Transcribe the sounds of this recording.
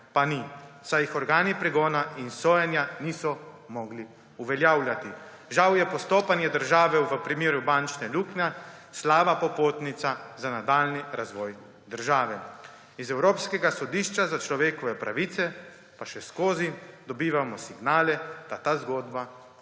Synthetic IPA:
panisajixɔɾɡaːnipɾɛɡɔːnainsoːjɛnjanisɔ | mɔɡli | uʋɛljaːwljat̪i | ʒawjɛpɔst̪oːpanjɛd̪əɾʒaːʋɛʋəpɾimeːɾubant͡ʃnɛluːknaslaːʋapɔpoːt̪nit̪sazanad̪aːlniɾazʋɔːj | d̪əɾʒaːʋɛ | izɛwɾoːpskɛɡasɔd̪iːʃt͡ʃazat͡ʃlɔʋeːkɔʋɛpɾʔa̰ʋiːt̪sɛ | paʃɛskoːzid̪ɔbiːʋamɔsiɡnaːlɛd̪̥at̪aːzɡɔːd̪ba

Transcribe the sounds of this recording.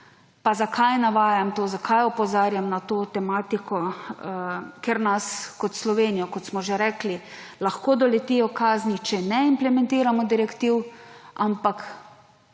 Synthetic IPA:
pazakʰajnaʋaːjamt̪oːzakʰajɔpɔzaːɾjamnat̪oːt̪ɛmaːt̪ikʰɔ | keɾnaskɔt̪slɔʋeːnijɔkɔt̪smɔʒeɾɛːklilaxkoːd̪ɔlɛt̪ijɔkaːznit͡ʃɛnɛimplɛmɛ̃nt̪iːɾamɔd̪iɾɛkt̪iwʔampak

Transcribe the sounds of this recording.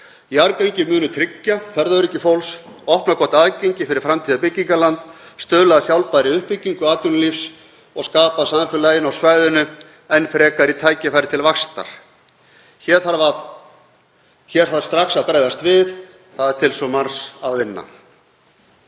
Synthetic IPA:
jaɾkaɲcɪmʏːnʏt̪ʰɾɪcːafɛɾðœɾɪcːɪfowls | ɔhpnakʰɔht̪aðcejɲcɪfɪɾɪɾ̥fɾamt̪ʰiːðapɪcːiŋkalant̪st̪œːlaðsjawlpajɾɪʏhpːɪcːiŋkʏaːt̪jʏnlifs | ɔɣskaːpasaɱfʏlajɪnawsvajðʏnʏ | ɛnfɾɛːkaɾit̪ʰaːjcɪfajɾɪt̪ʰɪlvaxst̪a̰ɾ̥ | çɛːɾ̥θaɾvað | çɛːɾ̥θaðst̪ɾaxsaðpɾaːjðast̪vɪθ | θaðɛɾ̥t̪ʰɪlsɔmansaðvɪnːa̰

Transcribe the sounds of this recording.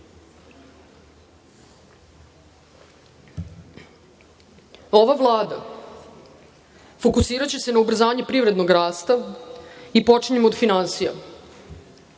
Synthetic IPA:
o̞ʋavlˠaːd̪a̰ | fo̞kusiːɾat͡ɕe̞se̞naubr̩zaːɲepɾiʋɾe̞d̪noɡɾaːst̪a | ipo̞t͡ʂiɲemod̪finansija̰

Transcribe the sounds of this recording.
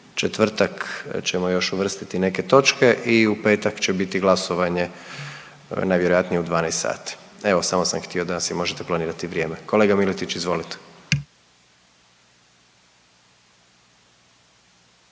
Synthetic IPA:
t͡ʃet̪ʋr̩t̪akt͡ɕemojo̞ʃuʋr̩st̪it̪ine̞ke̞t̪o̞t͡ʃke̞ʔiupe̞ːt̪akt͡ɕe̞bit̪iɡlˠasoʋaɲe̞ | najʋjeɾo̞jat̪nijeud̪ʋaːnejst̪sa̰ːt̪i̥e̞ʋo̞samosa̰mxt̪io̞d̪asimo̞ʒet̪eplaniːɾat̪iʋɾje̞ːmeko̞leɡamilit̪it͡ɕizʋo̞lit̪e̥

